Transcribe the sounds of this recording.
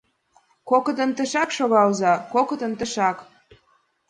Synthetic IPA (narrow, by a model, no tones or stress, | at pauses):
kokɤd̪ə̆nt̪ə̆ʃɑkʃoɣɑlzɑkokə̆d̪ə̆nt̪ə̆ʃɑk